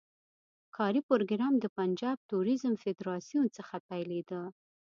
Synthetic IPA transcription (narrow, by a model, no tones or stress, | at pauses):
kʰɑɾipoɾoɡɾɑmd̪əpand͡ʒɑb̚t̪uɾizəmfɪd̪ɾɑsijunt͡səxapajled̪ə